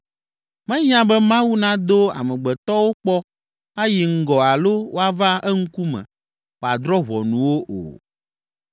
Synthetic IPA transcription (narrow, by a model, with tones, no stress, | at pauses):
mɛ̃˦ɲã˦bɛ˦mã˦wu˦nã˦d̪o˦a̰˨mɛ̃˨ɡ͡bɛ˨t̪ɔ˦wo˦k͡pɔ˦ | a˦ji˨ŋ̩˦ɡɔ˨a˨lo˦wo˦a˨va˦ɛ˦ŋ̩˦ku˦mɛ̰̃˨ | o˨a˨d̪ɾɔ˦βɔ˨nũ˨wo˦ʔo̰˨